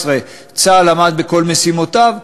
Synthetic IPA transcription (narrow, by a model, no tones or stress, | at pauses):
sʁe | t͡salamad̪̚beko̞lmesimo̞t̪av